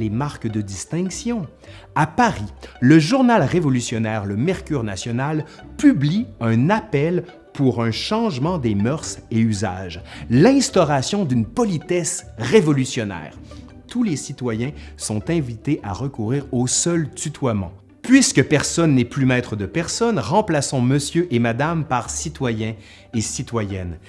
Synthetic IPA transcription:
lemaʁkd̪əd̪ist̪ɛ̃ksjɔ̃ | apaʁiləʒuʁnalʁevɔlysjɔnɛːʁləmɛʁkʲyːʁnasjɔnal | pybliœ̃napɛl | pʰuʁœ̃ʃɑ̃ʒmɑ̃d̪emœʁseyza̰ːʒlɛ̃st̪ɔʁasjɔ̃d̪ynpɔlit̪ɛsʁevɔlysjɔnɛ̰ːʁ | t̪ulesit̪wajɛ̃sɔ̃t̪ɛ̃vit̪eʔa̰ʁəkuʁiːʁosœlt̪yt̪wamɑ̰̃ | pɥiskəpɛʁsɔnːɛplymɛt̪χəd̪əpɛʁsɔnʁɑ̃plasɔ̃məsjøʔemad̪ampaʁsit̪wajɛ̃ | esit̪wajɛn

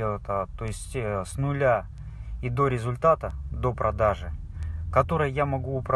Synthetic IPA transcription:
elˠət̪ət̪o̞ɪsʲtʲsnʊlʲa | id̪o̞ɾʲɪzʊlʲt̪at̪əd̪o̞pɾʔɐd̪aʐɨkɐt̪o̞ɾɨjəjamɐɡuʊpɾɐ

